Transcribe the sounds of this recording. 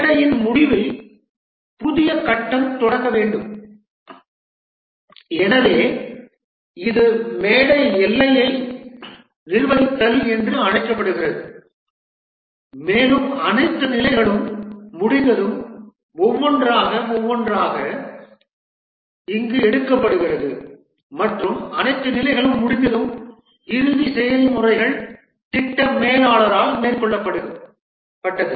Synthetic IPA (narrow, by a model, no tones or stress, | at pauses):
ɽɐjɪnmʊɽɪʋɐɪ | pʊðɪjɐkɐʈːɐmt̪ɔɽɐkːɐʋeːɳɖɯm | ɛnɐʋeː | ɪðɯmeːɽɐjɛlːɐjɐɪ | nɪɾɯʋɐðɪt̪ːɐliɛndrɯɐɳɐɪkːɐpːɐɽɯɣɪrɐðɯ | meːlɯmɐnɐɪt̪ːɯnɪlɐɪɣɐɭɯmːʊɽɪnd̪ɐðɯm | ɔʋːɔndraːɣɐɔʋːɔndraːɣɐ | ɪŋɡɯɛɽɯkːɐpːɐɽɯɣɪrɐðɯ | mɐʈrɯmɐnɐɪt̪ːɯnɪlɐɪɣɐɭɯmːʊɽɪnd̪ɐðɯm | ɪɾɯʋisɛjɐlmʊrɐɪɣɐɭ | t̪ɪʈːɐmeːlaːɭɐɾaːlmeːrkɔɭːɐpːɐɽɯ | pːɐʈːɐðɯ